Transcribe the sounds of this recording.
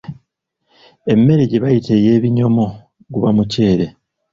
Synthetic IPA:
e̞mːe̞ɾeɟeβajitʰe̞je̞ːβiɲo̞mo̞ | ɡuβamuce̞ːɾe̞

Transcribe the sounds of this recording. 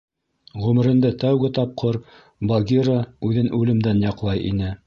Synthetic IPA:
ʁʉmɘ̆ɾɘ̆nd̪æt̪æwɡɘt̪ɑp̚qʰoɾ | bɐɡʲiɾəʉðɘnʔʉlɘ̆md̪ænjɑqlˠɑjḭnɘ

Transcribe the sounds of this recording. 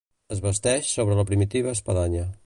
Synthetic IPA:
əzβəst̪ɛʃsoβɾələpɾimit̪iβ̞əːspəðaɲə

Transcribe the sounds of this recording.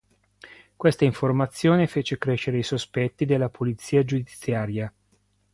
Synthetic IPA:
kwest̪aiɱformat̪sːjoːnefeːt͡ʃekɾeʃeɾeisospɛt̪ːid̪elːapʰulit̪sːiːad͡ʒud̪iit̪sjaːɾja

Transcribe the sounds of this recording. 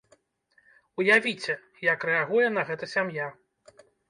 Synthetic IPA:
ujavʲit͡sʲɛ | jɐkrɛaɣujɛn̪ɐɣɛt̪ɐsʲamja

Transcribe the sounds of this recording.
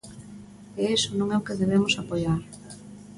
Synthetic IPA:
eesonõŋɛʊkeðeβ̞emʊsapoʎaɾ

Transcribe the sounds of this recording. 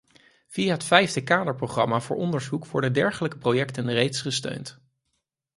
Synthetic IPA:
v̥iaɦətfɛjvdəkaːdəɹprowχrɑmaːvʊːɹʔɔndəɹzukʋɔɹdəndɛɹχələkə̥prowjɛktənrejtsχəstø̰ɥnt

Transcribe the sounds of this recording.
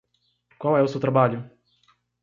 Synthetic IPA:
kwawɛʊsewt̪ɾabaʎʊ

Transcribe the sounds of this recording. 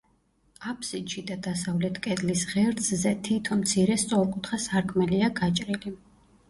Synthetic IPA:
apʰsid̪ʃid̪ad̪asavlɛt̪ʰkʼɛd̪lisʁɛɾd̪zzɛt̪ʰit̪ʰɔnmt̪sʰiɾɛst̪sʼɔɾkʼut̪ʰχasaɾkʰmɛliaɡat͡ʃʼɾili

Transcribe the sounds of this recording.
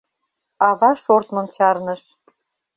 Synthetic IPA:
ɑβɑʃort̪mɤ̆mt͡ɕɑrnə̆ʃ

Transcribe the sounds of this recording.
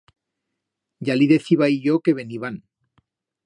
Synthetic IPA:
ɟ͡ʝaliðe̞θiβaiʎoke̞βeniβan

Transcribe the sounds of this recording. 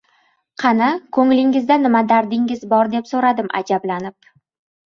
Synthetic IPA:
qʰɑnakʰɵŋlɪŋɪzd̪anɪmad̪aɾd̪ɪŋɪzbɒɾd̪e̞psoɾad̪ɪmʔa̰d͡ʒablanɪp̚

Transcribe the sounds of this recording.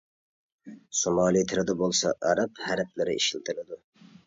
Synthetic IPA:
somɑːlˠit̪ʰɪɾɪd̪ɛbolˠsɑʔɑɾɑphæɾɪp̚lɪɾɪḭʃilt̪ʰɪlɪd̪u

